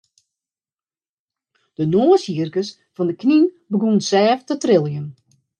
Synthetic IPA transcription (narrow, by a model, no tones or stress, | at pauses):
d̥ənoːəsjiərkəs | fɔndəkʰnin | bəɡunsɛːftətrɪlˠjən